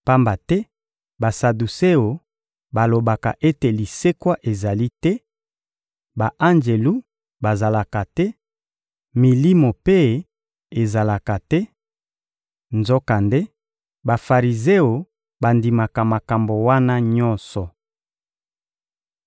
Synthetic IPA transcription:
pa˦mba˨tɛ˦ | ba˨sa˨du˨se˦o˨ | ba˨lo˨ba˨ka˨ʔe˦te˨li˨se˦kwa˦ʔe˨za˨li˦tɛ˦ | ba˨ʔa˦nd͡ʒe˨lu˦ | ba˨za˨la˨ka˨tɛ˦ | mi˨li˦mo˨pe˦ | e˨za˨la˨ka˨tɛ˦ | nzo˦ka˨nde˦ | ba˨fa˨ʁi˨ze˦o˨ | ba˨ndi˨ma˨ka˨ma˨ka˨mbo˨wa˦na˦ɲɔ˦nsɔ˨

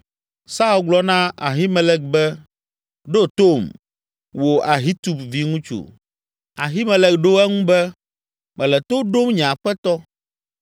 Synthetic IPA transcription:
sa˦u˦ɡ͡blɔ˦nã˦a̰˨ɦi˦mɛ˦lɛ˦k̚bɛ˦ | ɖo˦t̪o˦˨m | wo˨ʔa˨ɦi˦t̪u˨bvi˦ŋũ˦t͡ʃṵ˨ | a˨ɦi˦mɛ̃˨lɛ˨kɖo˦ɛ˦ŋũ˦bɛ˦ | mɛ̃˨lɛ˨t̪o˦ɖo˦mɲ̃˨ã˨ɸɛ˦t̪ɔ˦

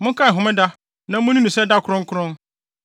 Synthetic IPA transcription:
mʊ̃˦ŋkʰa˦˨ɦʊ̃˨mɪ̃˦da˦ | nã˦mʊ̃˦nĩ˦nũ˨sɛ˦da˦kʰʊ˦ɾʊ̃˦ŋkʰʊ˦ɾʊ̃˦n

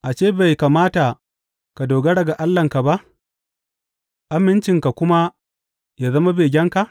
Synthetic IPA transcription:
ʔa˨t͡ʃeː˦˨ba˨jkaː˨maː˦ta˨ | ka˨doː˨ɡa˦ɽɐ˨ɡa˨ʔa˦lːɐ˨ŋka˨ba˦ʔ | ʔa˦mɪ˦nt͡ʃɪ˨ŋka˨kʷʊ˦ma˦ | jaː˨zɐ˦ma˦beː˨ɡʲɛ˦ŋka˨ʔ

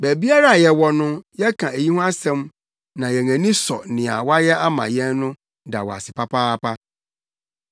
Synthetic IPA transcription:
bæ˨bi˦a˦ɾa˦˨jɛ˨wɔ˦nʊ̃˦jɛ˦kʰã˨e˨ji˦hʊ̃˦a˦sɛ̃˦m | nã˨jɛ˨ŋæ̃˨nĩ˦sɔ˨nɪ̃˨a̰˨wa˦jɛ˦ʔa˦mã̰˨jɛ̃˦nnʊ̃˦ | da̰˨wɔ̰˨a̰˨sɪ˨pʰa˦pʰaː˦pa˦

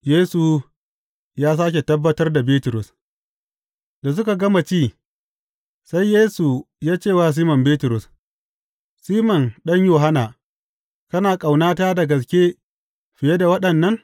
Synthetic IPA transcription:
jeː˦su˨ | jaː˦s̬aː˦k̬ʲe˨tɐ˦bːɐ˦tɐ˦rda˨beː˦tʊ˨ɾʊ˨s | da˨s̬ʊ˦ka˨ɡɐ˦ma˨t͡ʃiː˦˨ | sa˦jːeː˦su˨ | jaː˦t͡ʃeː˦˨waː˦s̬iː˦mɐ˨mbeː˦tʊ˨ɾʊ˨s | siː˦mɐ˨nɗɐ˦ɲjoː˨ɦa˦naː˨ | kɐ˦naː˨kʼa˨wnaː˦taː˦da˨ɡɐ˨skʲe˦ | ɸɪ˨je˦da˨wɐ˦ɗɐ˨nːɐ˦ŋ

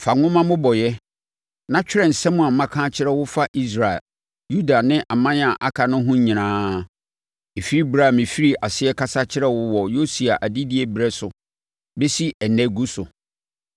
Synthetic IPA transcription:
fa˨ŋʊ̃˦mã˦mʊ̃˦bɔ˨jɛ˦ | nã˦t͡ɕᶣɪ˦ɾɛ̃˨n̩˨sɛ̃˦mʊ̃˨a˨mã˦kʰãː˦t͡ɕʰɪ˦ɾɛ˦wʊ˦fa˦ʔi˦s̬ɾa˨ɛ̰˨l | ju˦da˨nɪ̃˦ʔa˨mã˦n˦a˨ʔa˦kʰa˨nʊ̃˦ɦʊ̃˦ɲĩ˨nãː˦ | e˨fi˦ɾi˦bɾa˦˨mɪ̃˨fi˦ɾi˦a˨sɪ˦ɛ˦kʰa˦sa˦t͡ɕʰɪ˦ɾɛ˦wʊ˦wɔ˨jo˦si˨a˨ʔa˨di˦dɪ˦ɛ˨bi˨ɾɛ˦sʊ˨ | be˦si˦ʔɛ˨nɛ̃˨ɡu˦sʊ˨

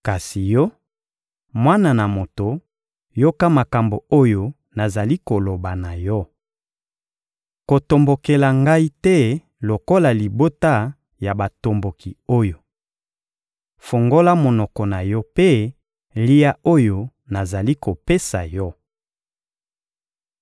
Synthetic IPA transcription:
ka˨si˨jɔ˦ | mwa˦na˨na˨mo˨to˨ | jo˦ka˦ma˨ka˨mbo˨o˦jo˦ | na˨za˨li˦ko˨lo˨ba˨na˨jɔ˦ | ko˨to˨mbo˨ke˨la˨ŋɡa˦i˦tɛ˦ | lo˨ko˦la˨li˨bo˦ta˦ | ja˨ba˨to˨mbo˨ki˨o˦jo˨ | fo˨ŋɡo˦la˦mo˨nɔ˨kɔ˨na˨jɔ˦pe˦ | li˦ja˦o˦jo˨ | na˨za˨li˦ko˨pe˦sa˨jɔ˦

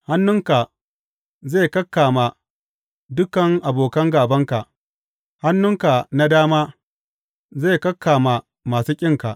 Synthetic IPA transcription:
ha˦nːʊ˦ŋka˨ | ze˦˨kɐ˦kːaː˨ma˨ | dʊ˦kɐ˨ŋʔa˨boː˨kɐ˦ŋɡaː˨bɐ˦ŋka˨ʔ | ha˦nːʊ˦ŋka˨na˦daː˦maː˦ | ze˦˨kɐ˦kʰːaː˨ma˨ | maː˨suː˦kʲʼɪ˦ŋka̰˨ʔ

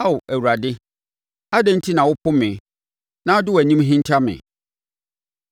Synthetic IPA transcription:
a˦˨æ˨wu˨ɾa˨dɪ˦ | a˦dɛ̃˦n̩˦tʰi˦nã˨wʊ˦pʰʊ˦mɪ̃˨ | nã˦dʊ˦wæ˨ɲĩ˦mɦĩ˦n˦tʰa˦mɪ̰̃˨

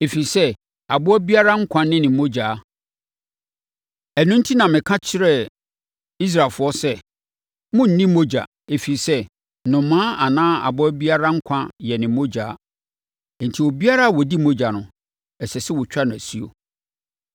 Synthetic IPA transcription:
e˨fi˨i˨sɛ˦ | a˨bʊ˦ɔ˦bi˦a˦ɾa˦ŋ̩˦kʷʰã˦nɪ̃˦nɪ̃˨˦mo˦d͡ʑaː˨˦ | ɛ˨nʊ̃˦n̩˦tʰi˦nã˨mɪ̃˨kʰã˦t͡ɕʰɪ˦ɾɛ˦ | i˦s̬ɾa˨lfʊ˨˦ɔ˦sɛ˦ | mʊ̃˦n̩˨nĩ˦mo˦d͡ʑa̰˨ | e˨fi˨i˨sɛ˦ | nʊ̃˨mːãː˦a˨nãː˦a̰˨bʊ˦æ˦bi˦a˦ɾa˦ŋ̩˦kʷʰã˦jɛ˨nɪ̃˨mo˦d͡ʑa̰ː˨˦˨ | n̩˨tʰi˨o˨bi˦a˦ɾa˦˨wɔ˨di˦mo˦d͡ʑa˨nʊ̰̃˨ | ɛ˨sɛ˨sɪ˦wɔ˨t͡ɕᶣa˦nʊ̃˨æ˨si˦o̰˨

